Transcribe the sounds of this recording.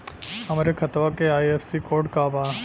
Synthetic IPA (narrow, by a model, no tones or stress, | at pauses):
əmɾekʰət̪ʋakeaːjefsikoːɾʈkabaː